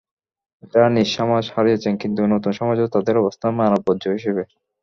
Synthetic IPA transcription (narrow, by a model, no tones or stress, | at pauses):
d͡ʑaniʃːɔmad͡ʑhaɾiet͡ɕʰenkint̪unot̪unʃɔmad͡ʑeot̪ad̪eɾɔbost̪ʰamanob̚od̪d͡ʑoɦiʃebe